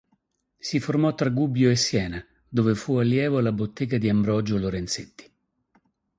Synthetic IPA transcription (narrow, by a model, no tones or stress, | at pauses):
siformɔt̪ːɾaɡubjoesːjɛːna | d̪oːvefualːjɛːvoalabot̪ːɛːɡad̪iambɾɔd͡ʒoloɾɛnt̪set̪ːi̥